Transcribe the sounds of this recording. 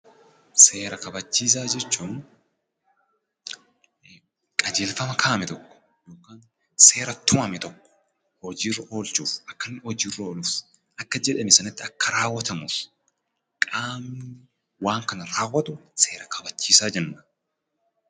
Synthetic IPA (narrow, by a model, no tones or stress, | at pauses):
se̞ːɾɐkɐbɐt͡ʃːiːs̬aːd͡ʒɛt͡ʃːuːn | kʼɐd͡ʒeːlfɐmɐkʰaːmɛt̪ɔkːɔ̥ | joːkaːn | se̞ːɾɐt̪ʊʔɐmɛt̪ɔkːɔ̥ | hɔd͡ʒiːrɐʔo̞ːlt͡ʃuːfʔɐkːɐnːɔd͡ʒiːrːɐoːluːf | ʔɐkːɐd͡ʒɛᶑɐmɪsɐnɐt̪ːɪɐkːɐɾaːwːɐt̪ɐmuːf | kʼaːmnɪ | waːŋkɐnɐɾaːwːɐt̪ʊse̞ːɾɐkʰɐbɐt͡ʃːiːsaːd͡ʒɛnːɐ